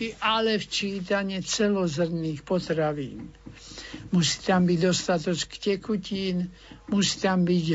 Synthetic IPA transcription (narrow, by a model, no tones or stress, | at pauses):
iʔalɛft͡ʃiːt̪aɲɛt͡sɛlɔzr̩niːxpɔt̪ɾaʋḭːn | musi̥t̪ambiɟd̪ɔst̪at̪ɔt͡ʃkcɛkuciːn | musi̥t̪ambiɟ